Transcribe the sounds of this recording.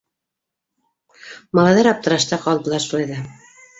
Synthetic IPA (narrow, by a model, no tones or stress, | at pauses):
mɑlˠɑjðɑɾɑp̚t̪ɤ̆ɾɑʃt̪ɑqɑlˠbɤ̆lˠɑɾʃulˠɑjðɑ